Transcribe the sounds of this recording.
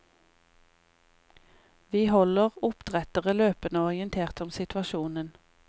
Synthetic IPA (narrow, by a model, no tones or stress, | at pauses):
ʋiːhɔləʁʊpd̪̥ʁɛt̪əʁəløːpənəɔʁɪənt̪ʰeːʁt̪ɔmsɪt̪ʋɑʃuːnən